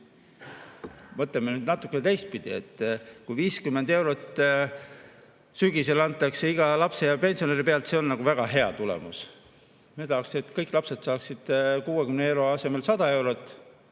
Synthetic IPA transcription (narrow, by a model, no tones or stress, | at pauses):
mɤt̪lemːenyːd̪nɑt̪ːˑukːˑenet̪ejst̪̚pid̪̥ie̞t̪ːkujviːskymːe̞nd̪e̞wɾot̪ːˑ | syɡ̥ise̞lɑnt̪ːˑɑkseiɡ̥ɑlɑpse̞jɑpe̞nsione̞ɾipeɑlt̪seo̞nːɑɡ̥uvæɡ̥ɑɦe̞ɑ̰t̪ulḛmus | met̪ɑhɑkset̪ːˑkɤjkːˑlɑpse̞t̪sɑːksid̪̥kuːekymnee̞wɾo̞ɑse̞me̞lsɑd̪̥ɑe̞wɾot̪ːˑ